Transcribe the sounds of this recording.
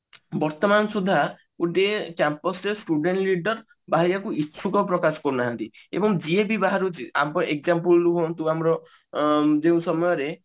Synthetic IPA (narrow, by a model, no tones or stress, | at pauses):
bɔɾt̪ɔmansud̪ʱːa | kuʈekjampɔsɾesʈuɖeɳʈliɖɔɾ | baɦiɾjakuit͡ʃʰukɔpɾɔkasɔ̥kɔɾunaɦant̪i | ḛbɔŋd͡ʒiebibaɦaɾud͡ʒia̰mɔʔek̚d͡ʒampulɾuɦɔ̃nt̪uamɔɾɔ | d͡ʒeũsɔmɔjɔɾe